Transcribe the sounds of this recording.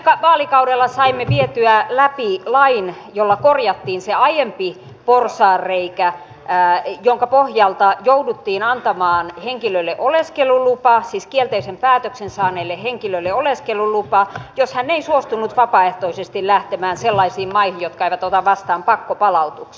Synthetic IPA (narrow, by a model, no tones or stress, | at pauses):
ekɑʋɑːlikɑudelːɑsɑimːeʋiet̪yælæpilɑinjolːɑkorjɑt̪ːiːnseɑjempi | porsɑːrreikæ | joŋkɑpohjɑlt̪ɑjoudut̪ːiːnɑnt̪ɑmɑːnheŋkiløilːeʔoleskelulupɑsiskielt̪eisempæːt̪øksensɑːneilːeheŋkiløilːeoleskelulupɑjoshænːeisuost̪unut̪ʋɑpɑeht̪oisest̪illæht̪emæːnselːɑisiːmmɑihinjjot̪̚kɑeiʋæt̪ot̪ɑʋʋɑst̪ɑːmpɑkːopɑlɑut̪uks